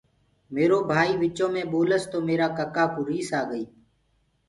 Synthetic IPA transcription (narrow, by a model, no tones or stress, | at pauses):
meːɾoːbʱaːiːʋɪt͡ʃõːmẽːɓoːləst̪oːmeːɾaːkəkaːkuɾiːsaːɠəiː